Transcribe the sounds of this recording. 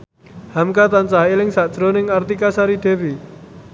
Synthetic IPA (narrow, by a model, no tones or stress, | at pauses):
hamkat̪ant͡ʃaɦelɪŋsad̥ʒ̥ɾonɪŋart̪ikasaɾid̪̥e̤wi